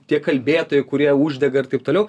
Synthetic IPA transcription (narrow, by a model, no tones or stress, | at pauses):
t̪ʲiɛkɐlʲbʲeːt̪oːjɛɪkʊɾʲiɛʊʒʲd̪ʲɛɡɐɪrt̪ɐɪp̚t̪oːlʲɛʊ